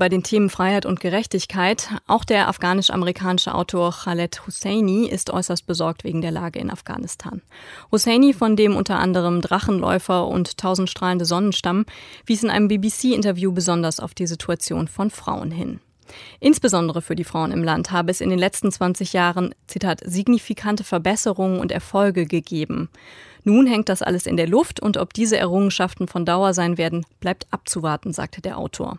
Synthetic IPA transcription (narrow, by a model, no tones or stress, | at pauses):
b̥aɪdeːntʰeːmənfʁ̥aɪhaɪtʊnt̚ɡ̥əʁɛçtɪçkʰaɪtʔa̰ʊxd̥eːɐʔa̰fɡ̥aːnɪʃʔa̰məʁikʰaːnɪʃə̰ʔa̰ʊtʰoːɐxalɛthusɛɪniʔɪ̰stʔɔ̰ʏsɐst̚b̥əzɔɐk̚tveːɡŋ̩deːɐlaːɡəɪ̰na̰fɡ̥a̰ːnɪstʰa̰ːnhusɛɪnifɔndeːmʔʊ̰ntɐʔa̰ndəʁ̞əmdʁaχn̩lɔ̰ʏfɐʔʊ̰ntʰːaʊzn̩tʃtʁ̥aːləndəzɔnənʃtamənviːsɪnʔa̰ɪnəmbiːbisiːʔɪntɐvjuːbəzɔndɐsa̰ʊfd̥iːzitʰuat͡sjo̰ːnfɔnfʁ̥a̰ʊə̰nɦɪ̰n | ʔɪnsb̥əzɔndəʁ̞əfyːɐdiːfʁ̥aʊənɪ̰mlanthaːbəɛsɪ̰ndeːnlɛt͡stn̩t͡sv̥ant͡sɪçjaːʁənt͡sitʰaːtziɡnifikʰantəfɛɐbɛsəʁʊŋənʊ̰ntɛ̰ɐfɔlɡəɡəɡeːbm̩nuːnɦɛŋt̚d̥asʔa̰ləsɪ̰ndeːɐlʊftʰʊ̰ntɔ̰p̚d̥iːzəʔɛ̰ɐʁʊŋənʃaftn̩fɔndaʊɐzaɪnveːɐdn̩b̥laɪp̚tʔap̚t͡suvaɐtn̩za̰ːk̚tʰədeːɐʔa̰ʊtʰo̰ːɐ